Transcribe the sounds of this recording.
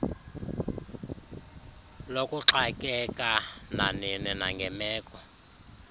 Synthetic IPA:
lokʼuǁakʼɛkʼananinɛnaŋɡʱɛmɛːkʼɔ

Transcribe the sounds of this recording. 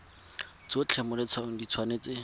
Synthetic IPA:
t͡sot͡ɬʰɛmʊlɪt͡sʰwaʊdit͡sʰwaneːt͡sɪ

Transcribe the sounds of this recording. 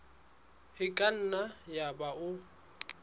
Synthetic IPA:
hɪkʼan̩najabaʊ

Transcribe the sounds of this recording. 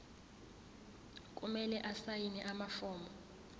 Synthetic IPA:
kʼumɛlɛʔasajinɛʔamafɔːmbɔ

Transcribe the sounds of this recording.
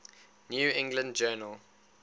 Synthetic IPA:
njuːɪ̃ŋɡlə̃nd͡ʒɜːnəl

